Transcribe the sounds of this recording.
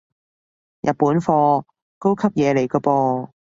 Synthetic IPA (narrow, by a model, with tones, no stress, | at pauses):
jʔɐ˨t̚pːuː˨˥nfɔː˧ | ko˥wkʰɐ˥p̚jɛː˨˧le˨˩jkɔː˧pɔː˧